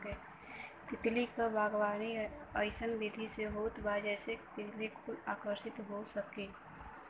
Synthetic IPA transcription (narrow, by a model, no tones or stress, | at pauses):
kɛ | t̪ɪt̪likabʱaːɡwaːniəɪsənbɪd̪ʱiseboːt̪baːd͡ʒɛːset̪ɪt̪likuaːkəɾʃɪt̪ɦosəkiː